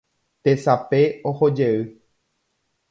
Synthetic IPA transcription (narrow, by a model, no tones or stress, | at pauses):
t̪esape̞ohod͡ʒeɨ